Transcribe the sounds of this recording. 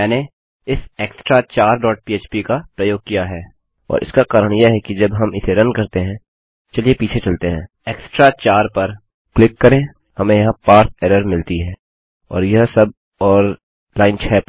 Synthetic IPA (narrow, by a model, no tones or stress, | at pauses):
ɛːne | ɪseːksʈɾat͡ʃaːɾɖɔːʈ̚pieːt͡ʃpikapɾɐjoːɡ̚kijaɦɛː | ɔ̰ːɾʔɪ̰skakaːɾəɽ̃jeɦɛkid͡ʒɐbɦɐmɪseɾɐ̃nkɐɾt̪eɦɛ̃ | t͡ʃɐliepiːt͡ʃʰet͡ʃɐlt̪eɦɛ̃ː | eːksʈɾat͡ʃaːɾpɐɾ | klɪkːɐɾẽː | hɐmẽjɐɦãpaːɾt̪̚ʰɛːɾəɾmɪlt̪iɦɛː | ɔ̰ːɾjɐɦsɐb̚ | ɔːɾ | laːɪnt͡ʃʰɛːp